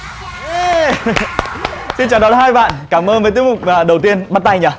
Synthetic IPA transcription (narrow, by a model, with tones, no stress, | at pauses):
si˧nt͡ɕaː˨˩ɗɔ˨˦ɦaː˧jɓa̰ː˧˨nkaː˧˩mʔəː˧nvəː˨˦jt̪i˨˦kmʊ˨˩k͡p̚ːɗə˨˩wt̪i˧ənɓa˦˥t̪a˧jɲaː˨˩